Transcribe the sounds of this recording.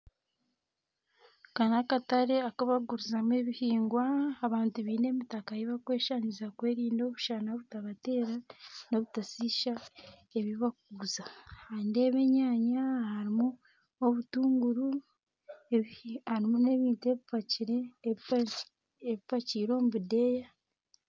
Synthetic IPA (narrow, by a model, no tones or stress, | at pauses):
kanakataɾe̞akaβaɡuɾuzame̞βihiːŋɡwaːβaːntuβiːne̞mitakajiβakwe̞ːʃanizakwe̞ːɾiːndoβuʃanaoβutaβate̞ːɾano̞βutasiʃa | eβiβak̚uuzahandeβe̞ɲaːɲahaɾimu | oβutuːŋɡuɾu | haɾimune̞βiːntue̞βipaciɾe | eβipaciːɾo̞ːmuβideja